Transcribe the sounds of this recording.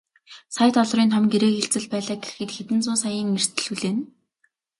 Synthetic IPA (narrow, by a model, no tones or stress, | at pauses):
sajt̪ʰɔɮ̆riːnt̪ʰɔmɡeɾeːxeɬt͡sɘ̆ɮpæːɮaːɡexɡɘ̆t̪xet̪ɘ̆nt͡sʊːsajiːŋer̥t̪ʰɘ̆ɮuɮeːn